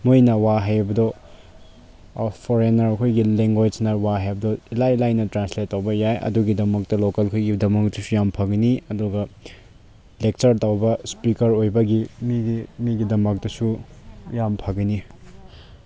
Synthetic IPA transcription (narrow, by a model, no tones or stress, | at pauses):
mojnɐwaɦajbɐdo | pʰoɾenɐɾɐkʰojɡileŋɡwajd͡ʒnɐwaɦajbɐdoilajlajnɐtɾanslet̚ːɐwbɐjajʔɐ̰duɡidɐmɐk̚tɐlokɐlkʰojɡidɐmɐk̚tusujampʰɐɡiniɐduɡɐ | lek̚t͡ʃɐɾtɐwbɐspikɐɾojbɐɡimiɡimiɡidɐmɐk̚tɐsujampʰɐɡini